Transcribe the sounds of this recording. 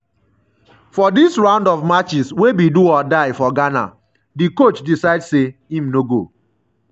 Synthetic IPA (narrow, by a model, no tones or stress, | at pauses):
fɔdisɹãʊ̃ndɔvmat͡ʃiswebiduɔdaɪfɔɡana̰ | dikot͡ʃdisaɪdseĩmnoɡo̰